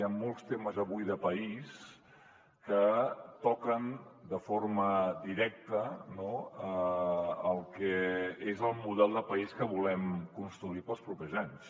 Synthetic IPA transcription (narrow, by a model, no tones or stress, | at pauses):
jamːolˠst̪eməzəβujðəpəis | kət̪ɔkənd̪əforməd̪iɾɛk̚t̪ənoəː | lˠkɛezəlˠmuð̞ɛlˠd̪əpəiskəβulɛmkunst̪ɾuipəlˠspɾupɛzaɲs